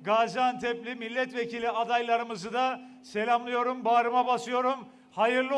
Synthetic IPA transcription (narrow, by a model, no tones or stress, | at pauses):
ɡad͡ʒant̪ʰɛplʲimilʲːɛt̪ve̞cʰilʲiad̪ajlˠaɾɯmɯzɯd̪a | se̞lʲamlˠɯjo̞ɾumbaːɾɯmabasɯjo̞ɾum | hajɯɾlˠɯ